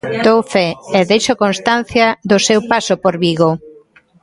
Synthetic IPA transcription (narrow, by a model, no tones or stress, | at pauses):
d̪owfɛːðejʃokonst̪an̟θjaðʊsewpasopoɾβiɣo